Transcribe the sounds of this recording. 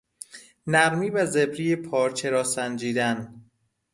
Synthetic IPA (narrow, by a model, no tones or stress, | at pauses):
næɾmiːvæzebɾiːjepʰɒːɾt͡ʃʰeɾɒːsænd͡ʒiːd̪æn